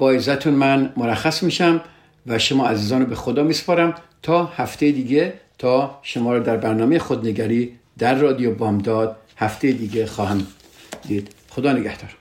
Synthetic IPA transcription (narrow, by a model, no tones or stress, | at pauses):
b̥ɒːjezæt̪ʰunmænmoɾæxæsmiːʃæm | væʃomɒːæziːzɒːnɔbexod̪ɒːmiːse̥pʰɒːɾæmt̪ʰɒːhæft̪ejed̪iːɡet̪ʰɒːʃomɒːɾɒːd̪æɾbæɾnɒːmejexod̪neɡæɾiː | d̪̥æɾːɒːd̪ijobɒːmd̪ɒːd̪̥̚ | hæft̪ʰejed̪iːɡexɒːhæm | d̪iːd̪̥ | xod̪ɒːneɡæht̪ʰɒːɾ